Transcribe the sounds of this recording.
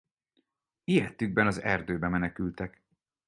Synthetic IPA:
ijɛt̪ːyɡ̚bɛnɒzɛ̰rd̪øːbɛmɛnɛkylt̪ɛk

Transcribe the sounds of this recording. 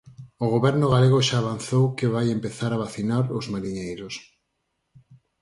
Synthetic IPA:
oɣoβɛɾnʊɣaleɣ̞oʃaːβan̟θowkɪβajempeθaɾaβaθinaɾozmaɾiɲejɾʊs

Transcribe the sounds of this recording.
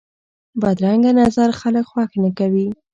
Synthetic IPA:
bad̪ɾaŋɡanazaɾxaləkxwɑxnakawi

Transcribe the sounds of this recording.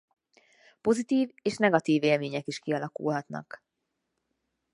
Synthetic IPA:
po̞zit̪iːveːʃnɛɡɒt̪iːveːlmeːɲɛkiʃkiɒlɒkṵlɦɒt̪nɒ̰k

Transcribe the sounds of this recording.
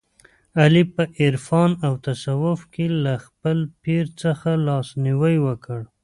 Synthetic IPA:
alipəʔɪɾfɑnawt̪asawʊfkelaxpəlpiɾt͡səxalɑsniwəjwəkəɽ

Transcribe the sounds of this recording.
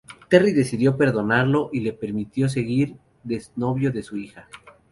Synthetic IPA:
t̪e̞riðe̞siðjo̞pe̞ɾðo̞naɾlo̞ʔile̞pe̞ɾmit̪jo̞s̬e̞ɣiɾ | ðesno̞βjo̞ðe̞suixa

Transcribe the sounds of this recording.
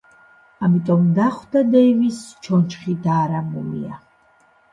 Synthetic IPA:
amit̪ʼɔmd̪aχwd̪ad̪ɛjvist͡ʃʰɔnt͡ʃχid̪aːɾamulḭa

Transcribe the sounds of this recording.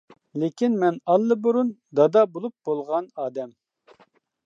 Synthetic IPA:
lekʲinmɛnɑlˠːɨbuɾund̪ɑd̪ɑbolˠup̚bolˠʁɑnɑːd̪ɛm

